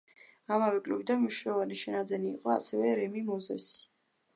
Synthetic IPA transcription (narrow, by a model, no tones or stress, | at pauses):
amavɛkʼluvid̪anmiʃnɛlɔvaniʃɛnad̪zɛniːqʼɔa̰sɛvɛɾɛmimɔzɛ̰si̥